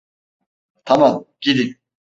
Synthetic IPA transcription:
t̪ʰamamɟ̥id̪ik̚

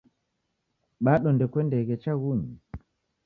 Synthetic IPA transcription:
ɓaɗɔndɛkwɛndɛɣɛt͡ʃaɣuɲi

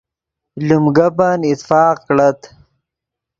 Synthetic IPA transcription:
lumɡapanit̪fɑːqkɽat̪

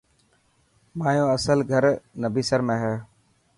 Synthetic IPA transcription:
maːjõːəsəlɡʱəɾnəbʱiːsəɾmẽːɦɛː

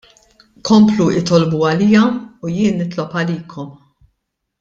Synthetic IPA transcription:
kɔmpluɪt̪ɔlbuɐliːɐujɪːnːɪt̪lɔpɐliːkʰɔm

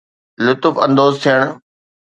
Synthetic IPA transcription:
lʊt̪ʊfɐ̃nd̪oːzt̪ʰijəɽ̃

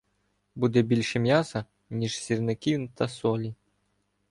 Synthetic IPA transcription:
bud̪ɛbʲilʲʂɛmʲjasɐ | nʲiʂsʲirnɐkʲiwnt̪ɐsɔlʲi

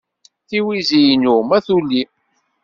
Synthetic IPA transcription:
θiwizijnumæθulːi

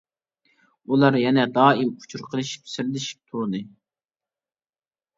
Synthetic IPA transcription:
ulˠɑɾjɛnɛd̪ɑːimʰu̥t͡ʃʰuɾqʰəlˠɨʃi̥psɪɾlɪʃi̥p̚t̪ʰuɾnɨ

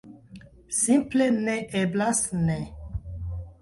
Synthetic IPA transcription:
sĩmplenɛʔeblasnɛ

